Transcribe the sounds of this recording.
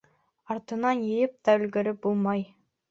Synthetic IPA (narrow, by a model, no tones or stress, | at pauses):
ɑɾt̪ɤ̆nɑnjɘ̆jɘp̚t̪ɑɵ̆lɡɘ̆ɾɘp̚bulˠmɑj